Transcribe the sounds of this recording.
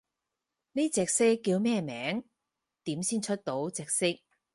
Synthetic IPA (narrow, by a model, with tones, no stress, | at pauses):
niː˥t͡sɛː˨k̚sɪ˥kːiː˧wmɛː˥˧mɛː˨˥ŋ | t̪iː˨˥msiː˥nt͡ʃʰɵ˥t̚t̪o˨˥wt͡sɛː˨˧k̚sɪ˥k̚